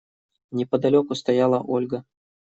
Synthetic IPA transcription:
nʲɛpəd̪alʲokʊst̪ajɑlˠəʔolʲɡə

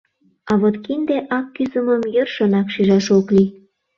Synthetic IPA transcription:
ɑβot̪kind̪eʔɑkːyzəməmjørʃənɑkʃiʒɑʃokli

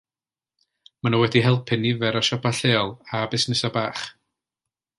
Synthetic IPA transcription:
manuwɛdiɦɛlˠpʰɪnivɛɾɔʃɔpʰaɬeːɔlˠabɪsnɪsɔbaːχ

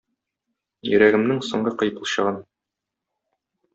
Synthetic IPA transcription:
jɵ̆ɾæɡɘ̆mnɘŋsŏɴɢɤqɤ̆jpulˠɕɤ̰̆ʁɤn

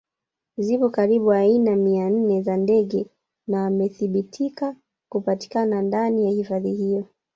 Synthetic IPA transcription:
zipɔkaɾiɓuainamian̩nɛzandɛɠɛ | naːmɛθiɓitʰika | kupati̥kanandanijahifaðihijɔ

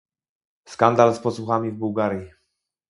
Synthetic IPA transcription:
skand̪alspɔswuxamʲivbuwɡaɾʲji

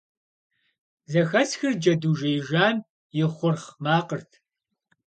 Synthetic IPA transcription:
zɐxɐsxɨrd͡ʒɐduːʒɐjʒaːn | jɪχʷʊrχmaːqərtʰ

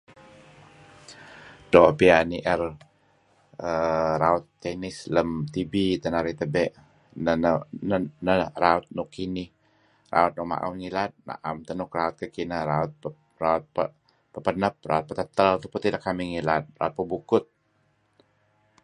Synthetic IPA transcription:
dopianiʔɛr | əraʊt̪ːɛnɪsləmt̪ibit̪ənaɾit̪əbɛʔ | nənənənəraʊt̪̚nʊkːinɪh | ra̰ʊt̪̚nɔʔma̰ʔa̰wŋilat̪̚na̰ʔamt̪ənʊkraʊt̪̚kəkinəɾaʊt̪̚ | raʊt̪̚pə | pəpənəp̚raʊt̪̚pət̪ət̪əlt̪upʊt̪idakːamiŋilat̪̚ra̰ut̪̚pəbukʊt̪̚

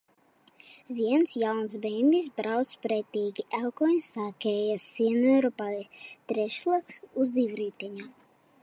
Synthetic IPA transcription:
viɛnsjawnsbɛmbʲis̬bɾawt̪spɾɛt̪ʲiːɡʲiʔɛlˠkɔnʲsaːkʲɛːjasiɛnøɾupat̪ɾɛʃlˠaksuzd̪iwɾiːt̪ʲɛɲaː

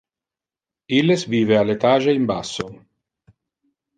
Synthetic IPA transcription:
ilːesviːvealːet̪aːʒeimbasːo

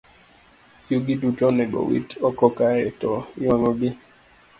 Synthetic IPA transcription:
juɡidutɔnɛɡɔ̰wḭtɔkɔkaɾɛtɔaŋɔbi

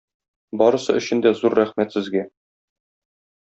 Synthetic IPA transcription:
bɒɾɤ̆sɤɵ̆ɕɘ̆nd̪æzuɾːæχmæt̪sɘ̆zɡæ

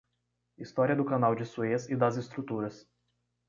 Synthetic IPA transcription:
ist̪ɔɾʲijɐd̪ʊkɐnaʊd͡ʒʲɪsuesid̪azʲɪst̪ɾʊt̪uːɾʲɨs

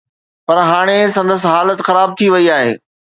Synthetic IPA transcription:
pɐɾɦaːɽ̃esɐ̃nd̪əsɦaːlət̪xɐɾaːb̚t̪ʰiʋɐiaːɦeː

